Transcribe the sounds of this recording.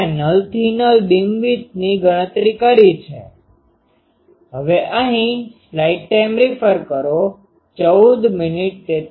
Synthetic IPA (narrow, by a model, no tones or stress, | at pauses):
nəlt̪inəlbimʋit̪̚niɡəɽ̃ət̪ɾikəɽit͡ʃʰḛ | ɦəʋeʔəɦĩslaiʈʈajmɾifəɾkəɾo | t͡ʃəud̪mɪniʈ̚t̪e